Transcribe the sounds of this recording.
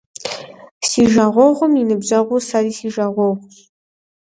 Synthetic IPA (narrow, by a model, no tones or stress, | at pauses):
siːʒaːʁʷɔʁʷʊminɨbzɐʁʷʊsadiːsiːʒaːʁʷɔʁʷ